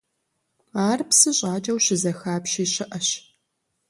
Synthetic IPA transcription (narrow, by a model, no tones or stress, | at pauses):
aːrpsɨɕʼaːd͡ʒʼɐwɕɪzɐxaːpʃiːɕɪʔɐɕ